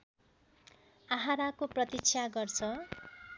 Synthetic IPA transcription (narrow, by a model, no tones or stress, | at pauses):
aɦaɾakoprʌt̪it͡sʰjaɡʌrt͡sʰʌ